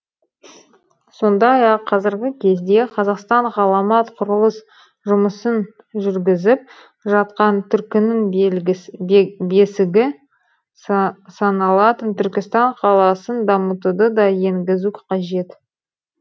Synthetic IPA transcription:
so̞nd̪ɑjɑqʰːɑzɪɾɡʲɪkʲʰe̞zd̪e̞qʰɑzɑqst̪ɑɴʁɑlˠɑmɑt̪qʰʊɾəlˠəs | ʒʊməsən | ʒʏɾɡʲɪzɪp̚ | ʒɑt̪qɑnt̪ʰʏɾkʲɪnɪŋ | be̞sɪɡʲɪ | sɑnɑlˠɑt̪ənt̪ʰʏɾkʲɪst̪ɑɴqʰɑlˠɑsənd̪ɑmət̪ud̪əd̪ɑje̞ŋɡʲɪzuqʰɑʒe̞t̪

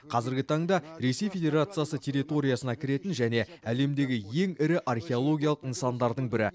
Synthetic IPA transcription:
qʰɑzɪɾɡʲɪt̪ʰɑɴd̪ɑɾe̞se̞jfʲe̞dʲe̞ɾat̪sɨjasətʲʰe̞ɾit̪o̞ɾʲijasənɑkʲʰɪɾe̞t̪ɪnʒæne̞æle̞md̪e̞ɡʲɪje̞ŋɪɾɪʔarxʲe̞o̞lˠo̞ɡʲijalˠəqənsɑnd̪ɑɾd̪əɴbɪɾɪ̰

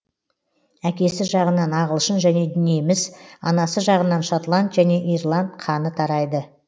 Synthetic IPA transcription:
ækʲe̞sɪʒɑʁənɑnɑʁəlˠʃənʒæne̞d̪ʏnijemɪzɑ̰nɑsəʒɑʁənɑnʃot̪lˠant̪ʒæne̞ʔirlˠant̪qʰɑnət̪ʰɑɾɑjd̪ə

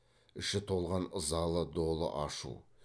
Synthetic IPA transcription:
ɪʃɪt̪ʰo̞lˠʁɑnəzɑlˠəd̪o̞lˠə̰ʔɑʃṵ

